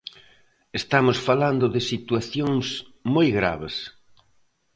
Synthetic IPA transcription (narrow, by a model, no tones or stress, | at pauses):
est̪amʊsfaland̪ʊðɪsit̪uaθjoŋsmojɣɾa̰βɪs